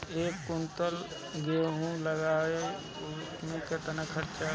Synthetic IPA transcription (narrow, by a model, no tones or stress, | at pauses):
ekunt̪əl | ɡeɦũləɡaːe | niket̪ənəkʰəʈt͡ʃa